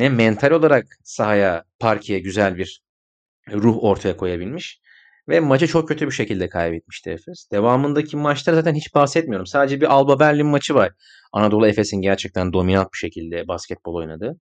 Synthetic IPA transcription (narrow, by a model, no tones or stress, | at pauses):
nɛmɛnt̪ʰalʲo̞lˠaɾak | saɦajapʰaɾcʰijɛɟyzælʲbiɾ̥ | ɾuɦo̞ɾt̪ʰajakʰo̞jabilʲmiʃ | vɛmat͡ʃʰɯt͡ʃʰo̞k̚cʰːøt̪ʰybiʃe̞cilʲd̪ɛkʰajbɛt̪̚mi̥ʃt̪ʰiefɛsd̪̥e̞vaːmɯnd̪acʰimat͡ʃlˠaɾazaːt̪ʰænɦit͡ʃbahsɛt̪̚mijoɾumsaːd̪ed͡ʒɛbiʔalˠbabælʲːinmat͡ʃʰɯvaɾ̥ | a̰nad̪o̞lˠuefe̞sinɟæɾt͡ʃʰɛc̚t̪ʰænd̪o̞minant̪̚biʃecʰilʲd̪ɛbascʰɛt̪̚bo̞lˠo̞jnad̪ɯ